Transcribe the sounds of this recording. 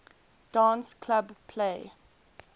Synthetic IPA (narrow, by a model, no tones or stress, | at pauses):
d̥ɑ̃ːnskʰlabpʰle